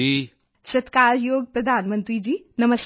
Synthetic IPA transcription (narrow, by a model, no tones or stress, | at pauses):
i | sɐt̪kaːɾjoːɡpɾɐd̪ʱaːnmə̃nt̪ɾiːd͡ʒiː | nɐməs